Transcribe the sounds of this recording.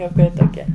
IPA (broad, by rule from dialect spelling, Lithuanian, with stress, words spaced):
juɔˈkɐɪ toːˈkʲiɛ